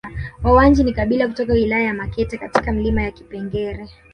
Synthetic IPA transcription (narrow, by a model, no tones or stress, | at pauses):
wawand͡ʒinikaɓilakutɔkawilajajamakɛtɛkatikam̩limajaki̥pɛŋɡɛɾɛ